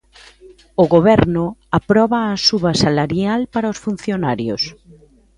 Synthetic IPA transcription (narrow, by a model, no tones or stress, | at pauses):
ʊɣoβɛɾnʊapɾɔβaːsuβasalaɾjalpaɾaosfun̟θjonaɾjo̰s